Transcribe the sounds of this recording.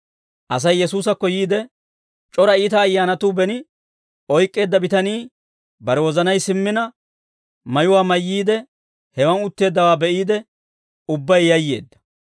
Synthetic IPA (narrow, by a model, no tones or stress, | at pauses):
ʔɐs̬ɐjːɛsuːs̬ɐkːɔjiːd̪ɛ | t͡ʃʼɔɾɐiːt̪ɐːjːaːnɐt̪ubɛnɪ | ʔɔjkʼːe̞ːd̪ːɐbɪt̪ɐniː | bɐɾɛwɔzɐnɐjsɪmːɪnɐ | mɐjʊwaːmɐjːiːd̪ɛ | hɛwɐnʊt̪ːe̞ːd̪ːɐwaːbɛʔiːd̪ɛ | ʊbːɐjːɐjːe̞̰ːd̪ːɐ̥